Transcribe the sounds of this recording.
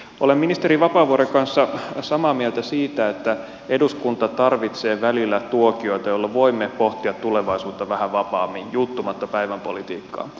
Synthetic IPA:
ʔo̞lemːinist̪e̞ɾiʋɑpɑːʋuoɾeŋkɑnsːɑsɑmɑːmiɛlt̪æsiːt̪æet̪ːæ | e̞duskunt̪ɑt̪ɑrʋit̪se̞ːʋælilːæt̪uokio̞jt̪ɑjolːɑʋo̞imːepoht̪iɑt̪ːuleʋɑisuːt̪ːɑʋæhæʋɑpɑːmːijjut̪ːumɑt̪ːɑpæiʋæmpo̞̰lit̪iːkːɑ̰ː

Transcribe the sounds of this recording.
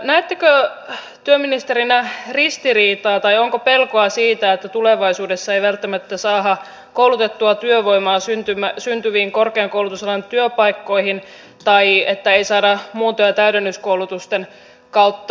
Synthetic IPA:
næːt̪ːekø | t̪yømːinist̪eɾinærist̪iriːt̪ɑːt̪ɑjoŋkope̞lkoɑsiːt̪æet̪ːæt̪uleʋɑisuːdesːɑejʋælt̪ːæmæt̪ːæsɑːɦɑ | kouwlut̪et̪ːuɑt̪yøʋo̞jmɑːsynt̪ymæsynt̪yʋiːŋkorkeɑŋkowlut̪uselɑnt̪yøpɑjkːo̞ihin | t̪ɑjet̪ːæeisɑːdɑmuːt̪ojɑt̪æydenːyskowlut̪ust̪en | kɑut̪ːɑ

